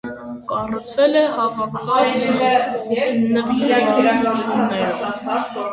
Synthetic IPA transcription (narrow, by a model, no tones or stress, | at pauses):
kɑrut͡sʰvɛlɛhɑvɑkʰvɑt͡s | nə | umnɛɾ